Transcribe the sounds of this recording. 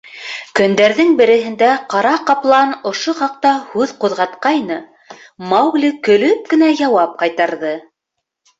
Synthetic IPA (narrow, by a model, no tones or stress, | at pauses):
kɵ̆nd̪æɾðɘŋbɘ̆ɾɘ̆ɦɘ̆nd̪æqɑɾɑqɑplˠɑnŏʃoχɑq̚t̪ɑhʉðquðʁɑt̪qɑjnɤ | mɑwɡlikɵ̆lɵp̚kɘ̆næjɑwɑp̚qɑjt̪ɑɾðɤ